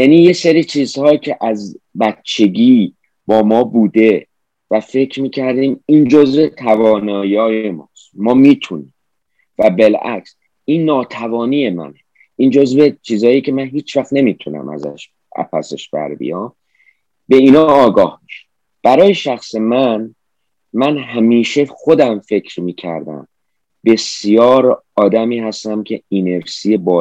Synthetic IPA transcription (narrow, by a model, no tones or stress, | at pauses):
jæniːje̞seɾiːt͡ʃʰiːz̥hɒːcʰeʔæzbæt̪t͡ʃʰe̞ɟiː | b̥ɒːmɒːbuːd̪e̞ | væfe̞cʰɾmiːcʰæɾd̪iːmiːnd͡ʒo̞zvet̪ʰævɒːnɒːjiɒːjemɒːst̪mɒːmiːt̪ʰuniːm | væbe̞læ̰ks | iːnːɒːt̪ʰævɒːniːje̞mæ̰ne | ʔiːnd͡ʒo̞zvet͡ʃʰiːzɒːjicʰemænɦiːt͡ʃʰvæχt̪ne̞miːt̪ʰunæ̰mæ̰zæ̰ʃ | ʔæ̰pʰæ̰sḛʃb̥æ̰ɾbḭjɒm | be̞iːnɒɑːɡɒːhmiʃe̥ | b̥æɾɒːje̞ʃæxse̞mæn | mænɦæmiːʃe̞xo̞d̪æmfe̞cʰɾmiːcʰæ̰ɾd̪æ̰m | be̞sjɒːɾ | ɒːd̪æmiːɦæst̪æmcʰe̞ine̞ɾsiːje̞bɒː